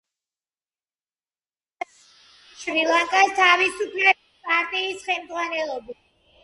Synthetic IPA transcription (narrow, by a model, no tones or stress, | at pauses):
ʃɾilˠaŋkʼast̪ʰavisupʰlɛ | pʼaɾt̪ʼiːsχɛmd̪zʁwanɛlˠɔbi